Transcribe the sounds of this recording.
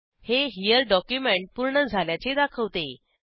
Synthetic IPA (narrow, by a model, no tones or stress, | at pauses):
heɦijəɾɖɔkjumeɳʈ̚puɾɳəd͡zʱaljat͡sed̪akʰəʋt̪e